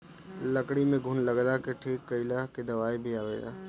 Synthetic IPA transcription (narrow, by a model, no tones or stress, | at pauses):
lɐkɽimẽɡʱʊnlɐɡlakeʈʰiːkːɐɪlaked̪ɐʋaːibʱiaːʋḛːɡa̰ː